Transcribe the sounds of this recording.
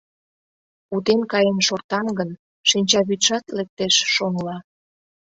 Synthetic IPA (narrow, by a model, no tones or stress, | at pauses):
ut̪enkɑjenʃort̪ɑnɡən | ʃinʲt͡ɕɑβyt̪ʃɑt̪lek̚t̪eʃʃoŋlɑ